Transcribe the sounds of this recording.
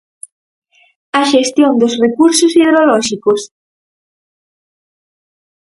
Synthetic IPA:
ɐʃest̪jõnd̪osrekuɾsosiðɾolɔʃikos

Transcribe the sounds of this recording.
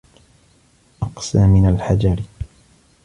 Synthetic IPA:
ʔɑqsaːmɪnalħad͡ʒaɾ

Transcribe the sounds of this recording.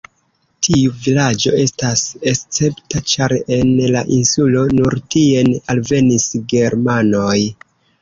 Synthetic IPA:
tʰiuvilad͡ʒo̞e̞stase̞st͡se̞ptat͡ʃaɾe̞nlaʔinsulo̞nuɾtie̞nalve̞nisɡe̞ɾmano̞j

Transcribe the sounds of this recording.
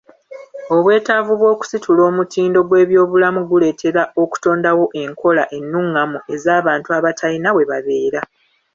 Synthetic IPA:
o̞βwe̞ːtavuβwo̞ːku̥sitʰulo̞ːmutʰiːndo̞ɡwe̞ːβjo̞ːβulamuɡule̞ːtʰe̞ɾaʔo̞ku̥to̞ːndawo̞ʔe̞ŋkʰo̞laʔe̞nːuŋːamue̞zaːβaːntuaβatʰalinawe̞βaβe̞ːɾa

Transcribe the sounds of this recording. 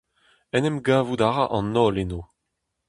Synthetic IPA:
ɛnɛmɡaːvud̪aʁaʔɑ̃nːɔːleno

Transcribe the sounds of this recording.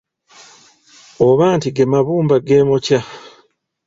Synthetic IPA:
oβaːntiɡemaβuːmbaɡeːmoca

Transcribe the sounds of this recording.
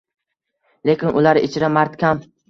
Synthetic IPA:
le̞kʲɪnʔʊlaɾɪ̰t͡ʃʰɪɾamaɾt̪kʲʰam

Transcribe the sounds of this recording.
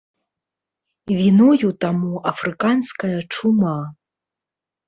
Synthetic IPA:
vʲinujut̪amuafrɨkanskɐjɐʈ͡ʂʰuma

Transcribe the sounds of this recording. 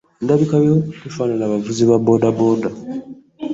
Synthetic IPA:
ndaβikajotifaːnalaːβavuziβaboːdaboːda

